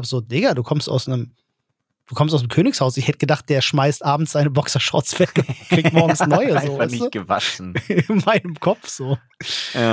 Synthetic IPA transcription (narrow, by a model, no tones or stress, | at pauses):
bz̥oːdɪɡɐduːkʰɔmstʔa̰ʊsnəm | d̥uːkʰɔmstaʊsnemkʰøːnɪçshaʊsɪçhɛtəɡ̥ədaχt̚d̥eːɐʃmaɪstʔaːbm̩tsz̥aɪnəbɔksɐʃʁɔ̰t͡sv̥ɛkkiːkt̚mɔɐɡŋ̩snɔʏəzoːvaɪtu̥əva̰ʃn̩ɪnmaɪnəmkʰɔpp͡fz̥oː | j